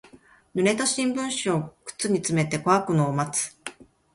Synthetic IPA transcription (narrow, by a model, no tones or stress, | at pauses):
nɯ̟ɾe̞t̪aɕĩmbɯ̟̃ɰ̃ɕiokɯ̟̥t͡sɨɲ̟it͡sɨme̞t̪e̞koakɯ̟noːmat͡sɨ̥